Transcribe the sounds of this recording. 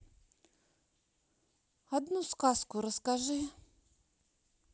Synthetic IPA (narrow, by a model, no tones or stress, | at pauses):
ad̪nuskaskuɾəskaʒɨ